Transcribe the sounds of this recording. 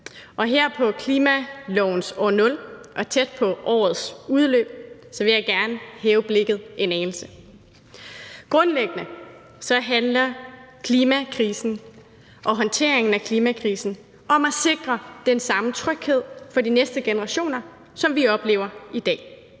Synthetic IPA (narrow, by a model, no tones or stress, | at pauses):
ʔɒ̽ɦeɐ̰pʰɒ̽kʰliːmælɔʊn̩sɒ̰ːnɔ̽lʔɒ̽t͡sʰed̥̚pʰɒ̽ʔɒ̰ːð̩ˠsuðˠlø̰ːb̥̚sɒ̽ʋe̝jɑ̈ɪɡ̥æɐnəhɛːʊb̥le̝ɡ̥ð̞̩ˠʔe̝nɛːnl̩sə | ɡ̥ʁɔ̽nleɡ̥ənə | sɒ̽ɦænlɐkʰliːmækʰʁiːsn̩ | ʔɒ̽ɦɒ̽nt͡sʰe̝̰ɐ̰e̝ŋn̩ækʰliːmækʰʁiːsn̩ | ʔɒ̽mæse̝ɡ̥ʁɐd̥ensɑ̈mət͡sʰʁœɡ̥he̝ð̞̰ˠfɒ̽dinesd̥əɡ̥enəʁɑ̈ɕo̝̰ːnɐ | sɒ̽mʋiɒ̽b̥le̝̰ːʊɐid̥ɛ̰ː